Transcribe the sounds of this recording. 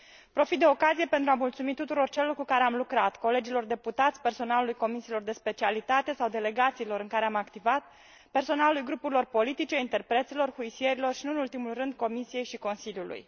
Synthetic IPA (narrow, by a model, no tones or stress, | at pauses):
pɾo̞fit̪̚d̪eokazije̞pe̞nt̪ɾuamult̪sumit̪ut̪uɾo̞rt͡ʃelo̞rkukaɾe̞amlukɾat̪ko̞le̞d͡ʒilo̞rd̪e̞put̪at̪sʲpe̞rso̞nalulujko̞misilo̞rd̪e̞spe̞t͡ʃialit̪at̪e̞sawd̪e̞le̞ɡat̪siːlo̞ɾɨŋkaɾe̞amakt̪ivat̪̚ | pe̞rso̞nalulujɡɾupuɾilo̞rpo̞lit̪it͡ʃe̞int̪e̞rpɾe̞t̪silo̞rhuisie̞ɾilo̞rʃinuɨnult̪imulrɨnd̪ko̞misije̞jʃiko̞nsiljulṵj